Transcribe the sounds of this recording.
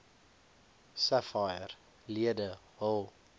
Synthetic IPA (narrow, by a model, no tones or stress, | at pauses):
sæfajər | liədə | ɦɔlˠ